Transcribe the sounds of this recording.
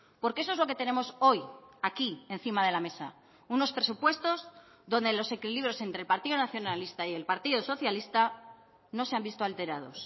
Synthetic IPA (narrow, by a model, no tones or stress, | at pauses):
po̞ɾkees̬oezloke̞t̪e̞ne̞mo̞so̞jakie̞n̟θimað̞e̞lame̞sa̰ | uno̞spɾe̞supwe̞st̪o̞z | ðo̞nd̪e̞lo̞se̞kiliβ̞ɾjo̞se̞nt̪ɾelpaɾt̪iðonaθjo̞nalist̪aje̞lpaɾt̪iðoso̞θjalist̪a | no̞se̞ambist̪oalt̪e̞ɾað̞o̞s